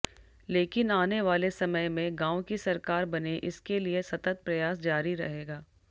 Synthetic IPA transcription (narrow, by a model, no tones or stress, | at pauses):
leːkɪnaːneʋaːlesɐməjmẽɡãːõkisɐɾkaːɾbɐneʔɪskeliesɐt̪ət̪̚pɾɐjaːsd͡ʒaːɾiɾɐ̰ɦeːɡaː